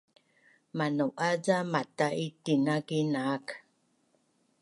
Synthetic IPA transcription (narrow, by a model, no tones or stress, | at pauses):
manuʔaɟamataʔitinaɡinaːk